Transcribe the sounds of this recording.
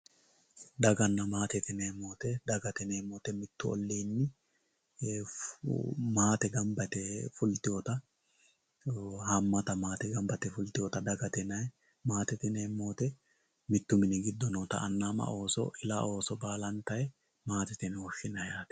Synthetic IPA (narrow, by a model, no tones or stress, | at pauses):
d̪ɐɡɐnːɐmaːt̪ɛt̪ɪneːmːoːt̪ɛd̪ɐɡɐt̪ɛneːmoːt̪ɛmɪt̪ːʊɔ̰lːiːnːɪ | maːt̪ɛɡɐmbɐt̪ɛfʊlt̪ɪjɔt̪ɐ | hɐmːɐt̪ɐmaːt̪ɛɡɐmbɐt̪ɛfʊlt̪ɪjɔt̪ɐd̪ɐɡɐt̪ɛnɐj | maːt̪ɛt̪ɪneːmːo̞ːt̪ɛ | mɪt̪ːʊmɪnɪɡɪd̪ːɔnoːt̪ɐ̰ʔɐnːaːmɐ̰ʔo̞ːsɔ̰ʔɪlao̞ːsɔbaːlɐnt̪ɐjɛ | maːt̪ɛt̪ɪnhɔʃːɪnɐjaːt̪ɛ̥